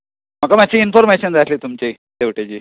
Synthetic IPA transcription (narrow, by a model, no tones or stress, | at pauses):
mɐkamat͡ɕʰiinfoɾmeɕənd͡zat̪lit̪umt͡ɕe | d̪eʋʈed͡ʑiː